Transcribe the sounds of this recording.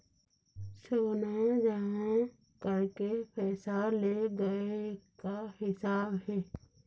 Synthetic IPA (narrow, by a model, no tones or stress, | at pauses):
soːnad͡ʒaã | kəɾkepʰɛːsaleɡəekahɪsaːbɦɛː